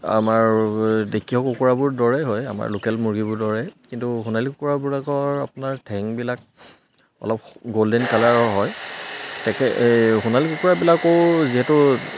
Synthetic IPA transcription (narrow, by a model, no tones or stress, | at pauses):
a̰maɹdekʰiɦɔkukuɹabʊɹdɔɹɛɦɔja̰ma̰ɹlokɛlmuɹɡibʊɹdɔɹɛkintuxunalikukuɹabuɹakɔɹapʊnaɹtʰɛŋbilak̚ | ɔ̰lɔpɡoldɛnkalaɹɔɦɔjtɛkɛxunalikukuɹabilakoziɦɛtʊ